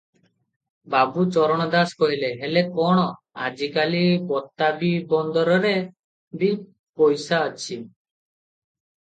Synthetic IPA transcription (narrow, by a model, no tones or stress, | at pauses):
babut͡ʃɔɾɔɽ̃ɔd̪askɔɦileɦelekɔɽ̃ɔ | a̰d͡ʒikalibɔt̪ːabibɔnd̪ɔɾɔɾe | bi | pɔjsaət͡ʃʰi